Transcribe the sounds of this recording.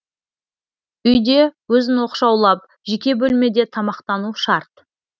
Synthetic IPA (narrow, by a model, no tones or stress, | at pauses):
ʏjd̪e̞wɵzɪnwo̞qʃɑwlˠɑp̚ | ʒekʲe̞bɵlme̞d̪e̞t̪ʰɑmɑqt̪ɑnuʃɑɾt̪